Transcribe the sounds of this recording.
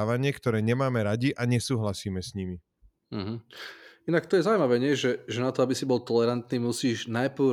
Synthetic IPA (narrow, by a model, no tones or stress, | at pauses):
ʋaɲɪɛkt̪ɔɾɛːɲɛmaːmɛɾaɟiʔaɲɛsuːɦlasiːmɛsɲimi | m̩ɦ̩inak̚t̪ɔjɛzawujmaʋɛːɲɪɛʒɛʒɛnat̪ɔabisibɔlt̪ɔlɛɾant̪niːmusiːʒnajpʊ